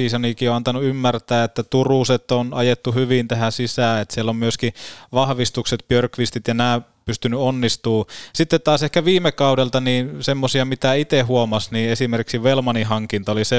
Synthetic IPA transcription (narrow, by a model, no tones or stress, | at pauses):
iːsɑnikioɑnt̪ɑnuymːært̪æːet̪ːæt̪uruset̪ːonɑjet̪ːuhyʋint̪æhæsisæːet̪sielːommyøskiʋɑhʋist̪ukset̪̚pørkʋist̪it̪jɑnæː | pyst̪ynyonːist̪uːsit̪ːet̪t̪ɑːsehkæʋiːmekɑudelt̪ɑniːnsemːosiɑmit̪æit̪ehuomɑsniːesimerkiksiʋelmɑniɦɑŋkint̪ɑolise